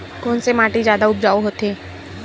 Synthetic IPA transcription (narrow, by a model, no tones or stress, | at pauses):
koːnsemaːʈezjaːd̪aʊp̚d͡ʒaːoɦoːt̪eː